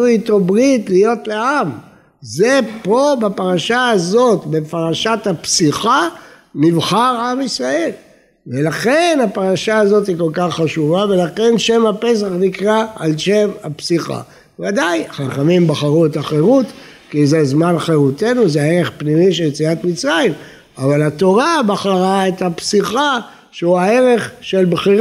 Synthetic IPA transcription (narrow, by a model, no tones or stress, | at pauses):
it̪obʁitlijo̞t̪leam | zepo̞bapaʁaʃaazo̞t̪be̞paʁaʃathapsiχa | nivχaʁamisʁae̞l | velaχe̞napaʁaʃaazo̞t̪iko̞lkaχːaʃuvave̞laχe̞nʃe̞mhape̞s̬aχnikʁaalʃe̞vapsiχa̰ | vadajχaχamimbaχaʁuetaχe̞ʁut̪ | kizezmanχeʁut̪e̞nuzeaeʁe̞χpnimiʃeljet͡siat̪mit͡sʁaim | avalat̪o̞ʁabaχaʁaet̪hapsiχa | ʃeuae̞ʁe̞χʃe̞lbχiʁ